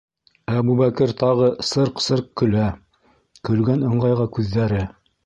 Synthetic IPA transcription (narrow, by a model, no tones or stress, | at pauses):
æbuβækɘɾt̪ɑʁɤsɤɾqsɤɾq̚kɵ̆læ | kɵ̆lɡænɤ̆ɴʁɑjʁɑkʉðːæɾɘ